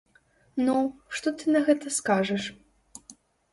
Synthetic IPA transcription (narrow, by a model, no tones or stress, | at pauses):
nuʂt̪ɔt̪ɨnɐɣɛt̪ɐskaʐɐʂ